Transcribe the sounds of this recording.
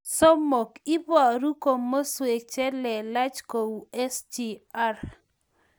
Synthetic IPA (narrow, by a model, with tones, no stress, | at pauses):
so˦mo˨ki˦bɾu˦ko˨mːo˦swe˨t͡ʃɛ˦lɛ˨la˦t͡ʃko˨u˨ɛ˦sd͡ʒi˨a˦r